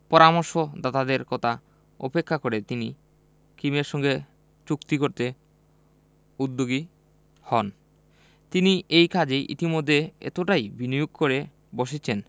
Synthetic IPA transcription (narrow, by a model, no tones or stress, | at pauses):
pɔɾamoɾʃod̪at̪ad̪eɾkɔt̪ʰa | ɔ̰pekʰːakoɾet̪ini | kimeɾʃɔŋɡe | t͡ɕukt̪ikoɾt̪e | ud̪ːoɡi | hɔn | t̪iniejkʰad͡ʑeʔḭt̪imod̪ʱːeḛt̪oʈajbinijoɡ̚koɾe | boʃet͡ɕʰen